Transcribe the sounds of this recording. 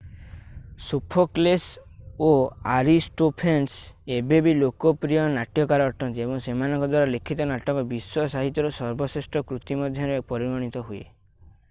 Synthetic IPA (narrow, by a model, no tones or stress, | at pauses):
supʰɔklesoaɾisʈopʰensebebilokɔpɾijɔnaʈjɔkaɾɔːʈɔnt̪iebɔŋsemanɔŋkɔd̪waɾalekʰit̪ɔnaʈɔŋkɔbiswɔsaɦit̪jɔɾɔsɔɾbɔsisʈɔkɾut̪imɔd̪ʱjɔɾepɔɾiɾɔɽ̃it̪ɔɦuḛ